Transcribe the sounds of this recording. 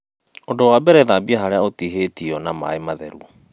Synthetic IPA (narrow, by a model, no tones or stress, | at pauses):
ondowabɛɾɛðabiaɦaɾeaotiɦeːtiɔnama̰emaðɛ̰ɾuɔ